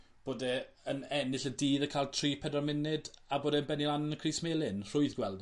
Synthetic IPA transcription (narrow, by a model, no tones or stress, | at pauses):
b̥oːdɛ | ənɛnɪɬədiːðəkʰaːlˠtʰr̥iːpʰɛdɔrmɪnɪdaboːdɛənbɛnilˠannəkʰriːsmeːlˠɪnr̥ʊɨðɡwɛlˠd